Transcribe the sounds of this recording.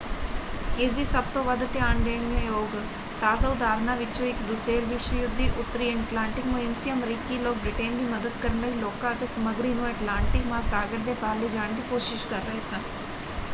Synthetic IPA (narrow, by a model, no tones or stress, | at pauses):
eːzisɐb̚t̪oʋɐd̪t̪eãːɳɖ̪eːɽ̃jẽjoːɡ | t̪aːzaʊd̪aːɾnaʋɪt͡ʃʰoɪkd̪ʊseːɾʋɪʃʋəjʊd̪ʱːiʔʊt̪ːɾiːɛɳʈlãːɳʈɪkmɐɪnsiəmɾiːkiloːk̚bɾɪʈeːnɡ̪imɐd̪əd̪kəɾənɐɦiloːkãɐt̪esɐməɡɾiːnũɛʈlaːɳʈɪkmãːsaːɡəɾd̪epaːɾlid͡ʒaːɳ̃kikoːʃɪʃkɐɾːɐɦesɐn